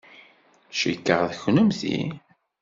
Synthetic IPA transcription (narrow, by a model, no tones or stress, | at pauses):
ʃəkːəʁðçnəmθḭ